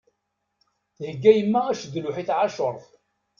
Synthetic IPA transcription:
θhəɡːæjəmːææʃd̪lʊħiθʕaʃoɾˤθ

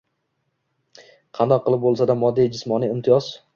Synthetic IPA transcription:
qʰɑnd̪ɒqʰːɨlˠɪp̚bolˠsad̪amɒd̪ːijd͡ʒɪsmɒniɪmt̪ʰɪjɒz̥

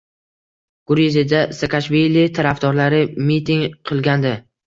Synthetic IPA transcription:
ɡ̥ʊɾizɪd̪asakʰaʃvilit̪ʰaɾafd̪ɒɾlaɾɪmit̪ʰɪŋqʰɨlˠɡʲand̪ɪ

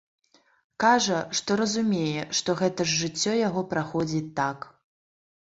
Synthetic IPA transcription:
kaʐɐʂt̪ɔɾɐzumʲejɛʂt̪ɔɣɛt̪ɐʐːɨt͡sʲːɔjaɣɔpɾaxɔd͡zʲit̪ːak

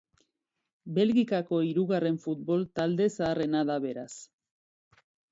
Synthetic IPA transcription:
be̞lɣikako̞iɾuɣare̞ɱfut̪̚bo̞lt̪ald̪e̞saːre̞naðaβe̞ɾas

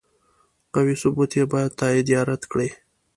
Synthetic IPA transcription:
qawisʊbut̪jebɑjad̪̚t̪ɑid̪ijɑɾat̪kɽe

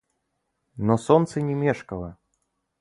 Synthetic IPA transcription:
nɔsɔnt̪sɐnʲɛmʲɛʂkɐlˠɐ

